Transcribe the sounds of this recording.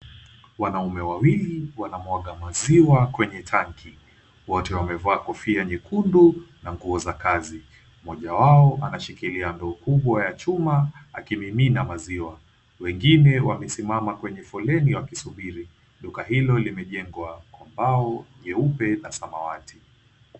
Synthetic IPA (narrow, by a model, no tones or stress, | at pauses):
wanaumɛwawiliwanamwaɠamaziwakwɛɲɛtʰaŋkʰi | wɔtɛwamɛvaːkɔfiaɲɛkundunaŋɡuɔzakazi | mɔʄawaɔʔanaʃikiliandɔːkuɓwajat͡ʃumaakimiminamaziwa | wɛŋɡinɛwamɛsimamakwɛɲɛfɔlɛniwakisuɓiɾi | ɗukaɦilɔlimɛʄɛŋɡwakɔmbaɔʄɛupɛnasamawatʰi